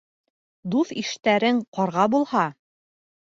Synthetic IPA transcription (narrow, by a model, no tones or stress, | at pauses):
d̪uθiʃt̪æɾɘŋqɑɾʁɑbulˠhɑ